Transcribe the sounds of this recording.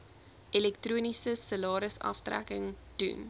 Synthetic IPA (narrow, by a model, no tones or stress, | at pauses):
ʔilɛk̚truːnisəsəlɑːɾəsɐ̰ftræ̰kəŋd̥ṵn